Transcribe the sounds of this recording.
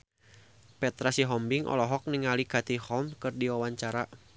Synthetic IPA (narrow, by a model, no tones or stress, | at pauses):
pɛt̪ɾasiɦɔmbiŋʔɔ̰lɔɦɔk̚niŋalikat̪ihɔlmkɨrdiwawaɲt͡ʃaɾa